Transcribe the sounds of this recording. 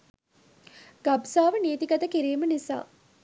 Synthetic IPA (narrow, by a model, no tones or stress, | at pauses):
ɡ̥absaːʋəneːt̪iɡɐt̪əkiɾeːmənisa̰ː